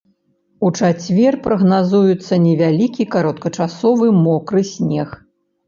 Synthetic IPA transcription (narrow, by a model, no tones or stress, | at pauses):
ut͡ʂat͡sʲvʲɛrpɾɐɣnazujut̪sːɐnʲɛvʲalʲikʲikaɾɔt̪kɐt͡ʂasɔvɨmɔkɾɨsʲnʲɛx